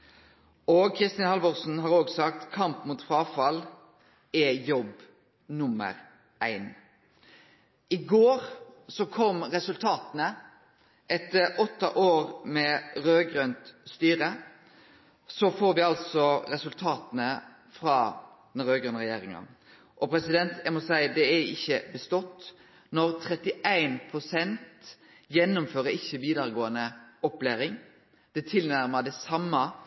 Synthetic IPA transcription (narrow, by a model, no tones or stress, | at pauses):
ɔkʰɾɪst̪ɪnhɑlbɔʁsn̩ɦɑːɾoːɡsɑkt̪kʰɑmpmuːt̪fɾɑːfɑl | ɛjɔb | nʊmə̰ɾ | ʔæɪn | ɪɡoːɾsɔkʰɔmɾɛsʉlt̪ʰɑːt̪ənə | ʔɛt̪ːəɾɔt̪ːəʔoːʁmɛɾøːɡʁœnt̪st̪yːʁə | sɔfoːɾʋɪɑlt̪sɔɾɛsʉlt̪ʰɑːt̪ənə | fɾɑː | d̪̥ɛnɾøːɡɾœnʁɛjeːɾɪŋɑ̰n | ʔɔpʰɾɛsɪd̪ɛnt̪æmɔsæɪd̪ɛæɪçːəbəst̪ɔt̪ː | nɔɾt̪ʰɾɛt̪ːɪæɪnpʰɾʊsɛnt̪ | jɛnːʊmføːɾəɪçːəʋiːd̪ɑɾɡoːənəɔplæːɾɪŋ | d̪̥ɛt̪ʰɪlnæɾməd̪ɛsɑmːɑ